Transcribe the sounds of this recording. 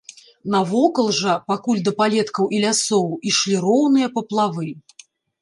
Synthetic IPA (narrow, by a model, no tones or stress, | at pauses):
nɐvɔkɐlˠʐɐpakulʲd̪ɐpalʲɛt̪kɐwʔilʲasɔwiʂlʲiɾɔwnɨjɐpɐplˠavɨ